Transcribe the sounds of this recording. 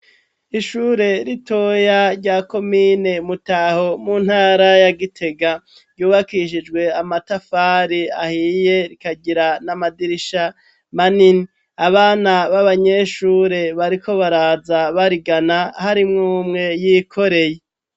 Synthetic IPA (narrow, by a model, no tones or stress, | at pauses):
iʃuːɾe̞ɾito̞jaɾɟaːko̞mine̞mutaho̞muːn̥haːɾajaɡitʰe̞ɡa | ɟuːβakiʃ̬id͡ʒɡwe̞amatafaːɾiahije̞ɾikaɟiɾanamadiɾiʃa | manini | aβaːnaβaβaɲe̞ʃuːɾe̞βaɾikʰo̞βaɾazaβaɾiɡanahaɾimŋuːmŋe̞jikʰo̞ɾe̞je